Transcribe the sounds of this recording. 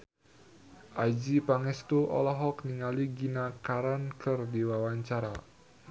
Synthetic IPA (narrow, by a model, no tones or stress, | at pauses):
ʔad͡ʒipaŋɛst̪uʔɔ̰lɔɦɔkniŋaliɡinakaɾankərdiwawaɲt͡ʃaɾa